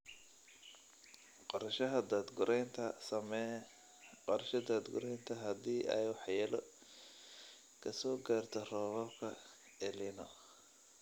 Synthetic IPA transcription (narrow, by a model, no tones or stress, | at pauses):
qɔɾɐʃɐɦɐd̪aːd̪ɡʊɾɛjnt̪ʰɐsɐmɛ | qɔɾɐʃɐd̪aːd̪ɡʊ̰ɾɛjnt̪ʰɐɦɐd̪iːʔɛ̰jwɑħjɛːlɔ | kʰɐsɔːɡaːrt̪ʰɔrɔːβɐbkʰɐ | ɛlɪnɔ